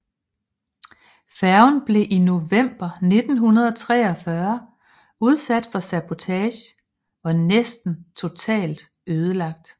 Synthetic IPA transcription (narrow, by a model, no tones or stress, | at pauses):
fæɐʊnb̥le̝ʔino̝ʋem̰b̥ɐne̝d̥n̩ɦunɐð̞ˠɒ̽t͡sʰʁɛːɒ̽fɶɐ | uð̞ˠsæd̥fɒ̽sæb̥o̝t͡sʰɛːɕ | ɒ̽nesd̥n̩t͡sʰo̝t͡sʰɛ̰ːld̥ | øːð̞ˠəlɑ̈ɡ̥̚d̥